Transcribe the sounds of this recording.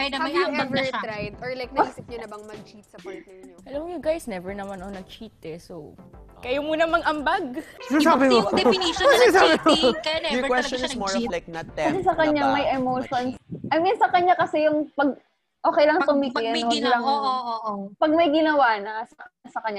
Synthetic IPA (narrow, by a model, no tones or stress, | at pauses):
jɐɛvɛɾajd̪ɔɹlajk̚nsɪk̚ɲʊnɐbɐŋmɐɡ̚t͡ʃit̪̚sɐp | ʔɐlɐmjʊɡajsnɛvɛɹnɐmanɐonɐɡ̚t͡ʃiːt̪ɛso | kɐjumunɐmɐŋɐmbaɡ̚sɪnɐsaːbɪm | sɪɡasaːbɪmoɪkwɛst͡ʃɔnsmɔɹɔvlajk̚nɐt̪̚ːɛɐs̬ɛsɐkɐɲaŋmɐjɛmoʃonsʔɐjminsɐkɐɲːakɐsɛjʊŋpɐɡ̚ | ʔoːkɛjlɐŋt̪ʊmɪkɪnːʔoɐɡlɐŋ | pɐɡ̚mɐjɡɪnɐwaːnɐsɐsɐkɐɲːa